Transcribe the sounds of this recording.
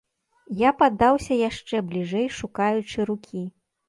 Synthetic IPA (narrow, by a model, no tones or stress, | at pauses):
japad̪ːawsʲɐjaʂt͡ʂɛblʲiʐɛjʂukajut͡ʂɨɾukʲi